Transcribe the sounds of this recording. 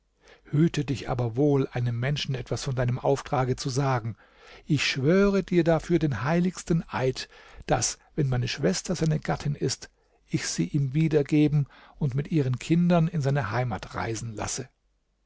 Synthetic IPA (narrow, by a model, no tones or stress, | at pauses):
hyːtʰədɪçʔa̰ːbɐvoːlʔaɪnəmːɛnʃn̩ɛtv̥asfɔndaɪnəmʔaʊftʁ̥aːɡət͡suzaːɡŋ̩ | ʔɪçʃv̥øːʁ̞ədiːɐdafyːɐdeːnhaɪlɪçstnʔa̰ɪtd̥as | vɛnmaɪnəʃv̥ɛstɐzaɪnəɡatʰɪnɪst | ʔɪçz̥iːʔiːmviːdɐɡeːbm̩ʊntmɪtʔiːʁənkʰɪndɐnɪnzaɪnɐhaɪmaːtʁa̰ɪzn̩la̰sə